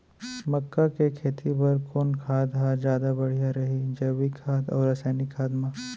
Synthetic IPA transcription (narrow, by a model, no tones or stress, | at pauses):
mɐkːakekʰeːt̪ʰipɐɾkoːnkʰaːd̪ɦaːd͡ʒjaːd̪abɐɽ̤ijaɾɐɦid͡ʒɐʋikʰaːd̪ɔ̰ːɾɐsaːnikʰaːd̪maː